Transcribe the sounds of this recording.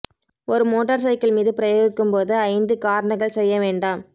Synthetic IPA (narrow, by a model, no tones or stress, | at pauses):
ɔɾɯmoːʈːɐɾsɐɪkɪlmiːðɯpɪɾɐjoːɣɪkːɯmpoːðɯɐɪnd̪ɯkaːɾɐɳɐɣɐɭsɛjːɐʋeːɳɖaːm